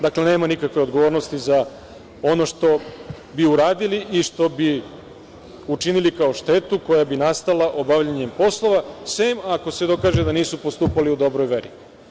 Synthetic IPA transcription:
d̪akle̞ne̞ːmanikakʋe̞jo̞d̪ɡo̞ʋoɾnost̪iza | o̞no̞ʃt̪o̞ | biuɾaːd̪iliʔiʃt̪o̞bi | ut͡ʃinilikao̞ʃt̪e̞t̪uko̞jabinast̪alˠaʔo̞baʋʎaɲe̞mpo̞slˠo̞ʋasemako̞sed̪o̞kaːʒed̪aniːsupo̞st̪uːpaliud̪o̞bɾo̞jʋeɾi

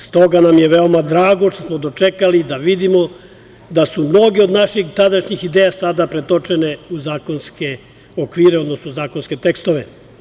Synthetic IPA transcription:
st̪o̞ɡanamjeʋe̞omad̪ɾaːɡo̞ʃt̪osmo̞d̪o̞t͡ʃekalid̪aʋid̪imo̞ | d̪asumno̞ɡeod̪naʃixt̪ad̪aʃɲixid̪eːjasad̪apɾet̪ot͡ʃeneuzaːkonske | okʋiːɾe̞od̪no̞snozaːko̞nske̞t̪ekst̪oʋe

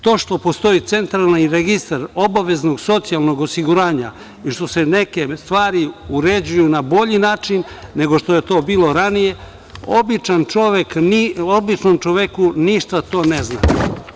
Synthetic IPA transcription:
t̪o̞ːʃt̪o̞post̪o̞it̪se̞nt̪ɾalnaiɾeɡist̪aɾo̞baʋe̞zno̞ɡso̞t̪sialˠno̞ɡo̞siɡuɾaːɲa̰ | iʃt̪o̞se̞ne̞ke̞st̪ʋaːɾiuɾe̞d͡ʑujunabo̞ʎinaːt͡ʃinː | e̞ɡo̞ʃt̪o̞je̞t̪o̞ːbiːlo̞ɾanije̞ | o̰bit͡ʃant͡ʃo̞ʋe̞kobit͡ʃnomt͡ʃo̞ʋekuniʃt̪at̪o̞ːnezna̰

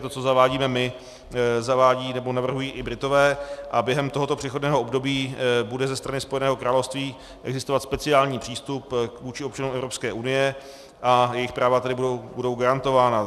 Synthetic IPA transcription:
t̪ot͡so̞zavaːɟiːmɛmɪ | zavaːɟiːnɛbo̞navr̩ɦujiːʔɪbɾɪt̪o̞vɛːʔabjɛɦɛmt̪oɦo̞t̪o̞pr̝̥ɛxo̞dnɛːɦo̞ʔobdo̞biːbudɛzɛst̪ɾanɪspo̞jɛnɛːɦokɾaːlofst̪viː | ʔɛɡzɪst̪ovat̪spɛt͡sɪaːlɲiːpr̝̥iːst̪upvuːt͡ʃɪo̞p̚t͡ʃanumɛvɾo̞pskɛːʔunɪjɛ | ʔajɛjɪxpɾaːvat̪adɪbudobudo̞wɡaɾant̪o̞vaːna

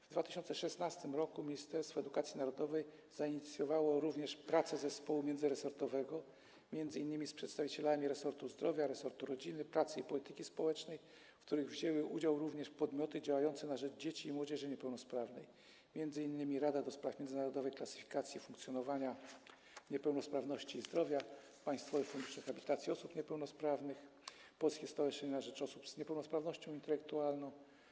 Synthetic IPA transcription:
vd̪vat̪ɘ̥ɕɔnt̪sɛʂɛsnast̪ɘmɾɔkumʲiɲist̪ɛɾst̪fɔɛd̪ukat̪sʲinaɾɔd̪ɔvɛj | zaiɲit̪sʲjɔvawɔɾuvɲɛʂpɾat̪sɛzɛspɔwumʲjɛnd̪zɘɾɛsɔɾt̪ɔvɛɡɔ | mʲjɛndzɘinːɘmʲispʂɛt̪st̪avʲit͡ɕɛlamʲiɾɛsɔɾt̪uzd̪ɾɔvʲjaɾɛsɔɾt̪uɾɔd͡ʑinɘpɾat̪sɘipɔlʲit̪ɘkʲispɔwɛt͡ʂnɛj | fkt̪uɾɘɣvʑɛwɘʔud͡ʑawɾuvɲɛʂpɔd̪mʲjɔt̪ɘd͡ʑawajɔnt̪sɛnaʐɛd͡ʐd͡ʑet͡ɕiːmwɔd͡ʑɛʐɘɲɛpɛwnɔspɾavnɛ̰j | mʲjɛndzɘinːɘmʲiɾad̪ad̪ɔspɾafmʲjɛndzɘnaɾɔd̪ɔvɛjklasɘ̥fʲi̥kat̪sʲjifũŋkt̪sʲjɔnɔvaɲa | ɲɛpɛwnɔspɾavnɔɕt͡ɕiːzd̪ɾɔvʲja | paj̃st̪fɔvɛfund̪uʂxabʲit̪at̪sʲiɔsupɲɛpɛwnɔspɾavnɘx | pɔlskʲɛst̪awɛʂɛɲɛnaʐɛt͡ʂɔsupzɲɛpɛwnɔspɾavnɔɕt͡ɕɔ̃w̃int̪ɛlɛk̚t̪ualnɔ̃w̃

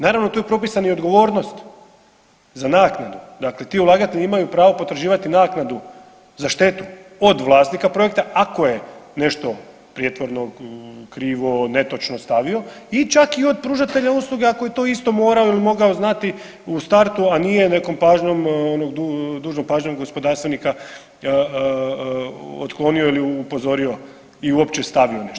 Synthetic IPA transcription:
naːɾaʋno̞t̪ojepɾo̞pisanio̞d̪ɡo̞ʋo̞ːɾno̞st̪ | zanaːknad̪ud̪akle̞t̪iulˠaːɡat̪e̞ʎiimajupɾaːʋo̞po̞t̪ɾaʒiːʋat̪inaːknad̪u | zaʃt̪e̞t̪u | od̪ʋlˠaːsnikapɾo̞jek̚t̪aʔako̞je̞ne̞ʃt̪o̞ | pɾijet̪ʋo̞ɾnokɾiːʋone̞t̪o̞t͡ʃnost̪aʋio̞ | it͡ʃakio̞d̪̚pɾuːʒat̪e̞ʎauslˠuɡe̞akoje̞t̪o̞ist̪o̞mo̞ːɾao̞ilimo̞ɡaoznat̪i | ust̪aɾt̪uanije̞ne̞ko̞mpaːʒɲo̞monoɡd̪ud̪uːʒnopaːʒɲoɡɡo̞spo̞d̪aːɾst̪ʋenika | ot̪klˠo̞nioiliupo̞zo̞ɾio̞ | iuopt͡ɕest̪aʋio̞neʃ

